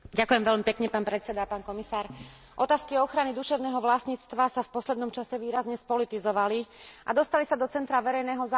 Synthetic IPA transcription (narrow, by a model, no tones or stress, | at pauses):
ɟakujɛmʋɛʎmipɛkɲɛpaːnpɾɛt̪t͡sɛd̪apaːnkɔmisaːɾ | ʔɔt̪aːskiɔxɾanid̪uʃɛʊnɛːɦɔʋlasɲiːt͡st̪ʋasafpɔslɛd̪nɔmt͡ʃasɛʋiːɾazɲɛspɔlit̪izɔʋaliʔa̰d̪ɔst̪alisad̪ɔt͡sɛnt̪ɾaʋɛɾɛjnɛːɦɔza